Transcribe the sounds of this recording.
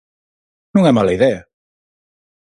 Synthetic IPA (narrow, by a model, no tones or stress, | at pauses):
nũŋɛmalɐiðɛa